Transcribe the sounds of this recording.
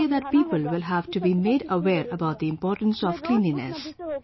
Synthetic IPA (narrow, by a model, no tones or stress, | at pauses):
əd̪æʈ̚piːpəlʋɪlɦæʋʈubiːmeːɖəʋeːɾəbaʊʈ̚d̪iɪ̃mpɔːɾʈə̃n̩sɔʋklĩːninḛs